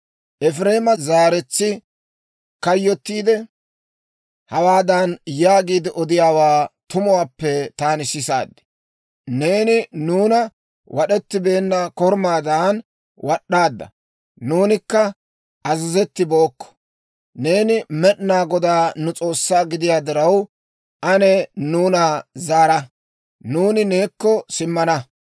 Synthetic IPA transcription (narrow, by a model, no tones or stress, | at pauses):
ʔɛfɾe̞ːmɐzaːɾɛt͡sːɪ | kɐjːɔt̪ːiːd̪ɛ | hɐwaːd̪anjaːɡiːd̪ɪʔɔd̪ɪjaːwaːt̪ʊmʊwaːpːɛt̪aːnɪsɪsa̰ːd̪ːɪ̥ | ne̞ːnɪnuːnɐ | wʔɐɗɛt̪ːɪbe̞ːnːɐkɔɾmaːd̪aːn | wɐɗːaːd̪ːɐ̰ | nuːnɪkːɐ | ʔɐzɪzɛt̪ːɪbo̞ːkːɔ̥ | ne̞ːnɪmɛɗnaːɡɔd̪aːnʊt͡sʼo̞ːsːaːɡɪd̪ɪjaːd̪ɪɾɐw | ʔɐnɛnuːnazaːɾɐ | nuːnɪne̞ːkːɔsɪmːɐnɐ